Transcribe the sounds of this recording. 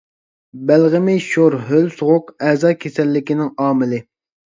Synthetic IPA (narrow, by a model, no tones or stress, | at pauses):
bælʁɪmɪʃoɾɦølsʊʁʊqɛzɑːkʲʰesɛlːɪkʲinɪŋɑːmɪlɪ